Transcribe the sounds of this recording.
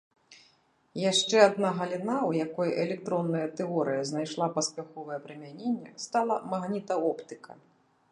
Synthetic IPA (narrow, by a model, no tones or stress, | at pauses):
jaʂt͡ʂɛad̪naɣɐlʲinawjakɔjʔɛlʲɛkt̪ɾɔnːɐjɐt̪ɛɔɾɨjɐznajʂlˠapɐspʲaxɔvɐjɛpɾɨmʲanʲenʲːɛ̰st̪alˠɐmaɣnʲit̪ɐɔpt̪ɨkʰɐ̰